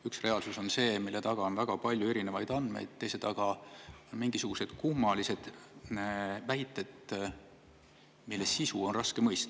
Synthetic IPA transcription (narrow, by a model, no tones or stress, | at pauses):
yksre̞ɑlsuso̞nse̞ːmilːe̞t̪ɑɡ̥ɑonvæɡ̥ɑpɑlʲjue̞ɾine̞vɑjd̪̥ɑnd̪me̞̰jd̪̥̚t̪ejset̪ɑɡ̥ɑonmiŋɡisuɡ̥use̞d̪̥kumːɑlise̞d̪̥ | væjt̪ːˑe̞t̪ | milːe̞ssisuo̞nrɑskemɤjst̪